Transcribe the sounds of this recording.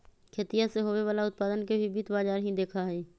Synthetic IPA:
kʰeːt̪ijaseɦoːʋeʋaːlaʊt̪̚paːd̪ənkebʱibiːt̪baːd͡ʒaːɾɦĩd̪eːkʰaɦɛː

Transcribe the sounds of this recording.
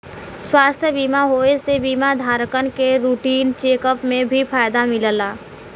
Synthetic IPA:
swast̪ʰjəbimaɦoesebimad̪ʱaɾəkənkeɾuʈint͡ʃekəpmebʱipʰajd̪amiləla

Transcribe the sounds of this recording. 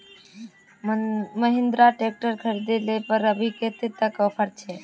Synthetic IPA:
məɦɪ̃nd̪ɾaʈek̚ʈəɾkʰəɾid̪elepəɾəbʱiket̪et̪ːəkəpʰəɾt͡ʃʰeː

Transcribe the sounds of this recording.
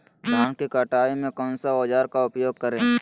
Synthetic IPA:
d͡ʒʱaːnkikəʈaːimẽkɔ̃ːnsaoːd͡ʒaːɾkaʊpjoːɡ̚kəɾẽː

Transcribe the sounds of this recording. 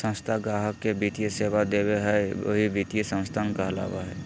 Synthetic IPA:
sə̃nst̪ʰaɡaːɦəkːebʱit̪ijeseːʋad̪eːweɦɛə̰ɦibʱit̪ijesə̃nst̪ʰaːnkaɦla̰ːʋa̰ɦɛ̰

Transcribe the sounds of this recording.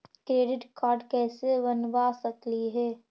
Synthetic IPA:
kɾeːɖɪʈkaːɾɖkɛːsebɐnbasɐkliɦɛː

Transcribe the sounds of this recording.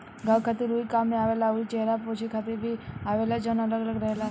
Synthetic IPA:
ɡãwkʰat̪eɾuikamneaʋelaəʋlit͡ʃɛɦɾapot͡ʃʰekʰat̪ebʱiaʋelad͡ʒənələɡələɡɾəɦela

